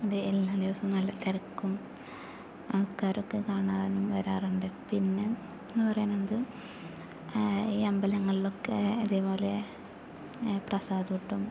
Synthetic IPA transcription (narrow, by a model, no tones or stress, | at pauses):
uɖeelːad̪iʋɐsɐmnɐlːɐt̪ːɐɾɐkːum | ɐʋɐkːaːɾokːekaːɳaːðnumʋɐɾaːruɳɖɨpinːe | enːɨpɐrɐjaːnend̪ɨ | iːɐmbɐlɐŋːɐɭilo̞kːeɐðebo̞ːle | prɐsaːd̪uiʈːum